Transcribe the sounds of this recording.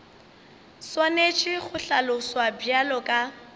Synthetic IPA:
swanet͡ʃʼɪχʊɬalʊswabjalɔkʼa

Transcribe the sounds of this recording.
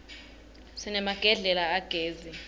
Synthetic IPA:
sinɛmaɡ̥ʱɛɮɛlaːɡ̥ʱeːzi

